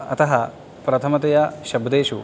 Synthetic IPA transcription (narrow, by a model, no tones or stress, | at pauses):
ɐ̰t̪ɐɦɐ | pɾɐt̪ʰɐmɐt̪ɐjɐʃɐbd̪eːʃu